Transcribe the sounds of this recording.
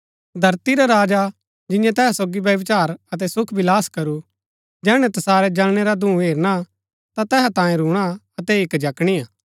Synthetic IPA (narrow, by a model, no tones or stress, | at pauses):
d̪ʱɐɾt̪iɾaɾaːd͡ʒa | d͡ʒɪ̃jãt̪ɛːɦɛsoːɡiʋjɐʋɪt͡ʃaːɾɐt̪̬ɛsʊkʰbʱɪlaːskɐɾu | d͡ʒɛːɽ̃ɛ̃t̪ɐsaːɾɛd͡ʒɐlɽ̃eɾad̪ʱũɦeːɾña | t̪at̪ɛːɦat̪ãːjẽɾuːɽ̃aɐt̪ɛɪkd͡ʒɐkɽ̃iaː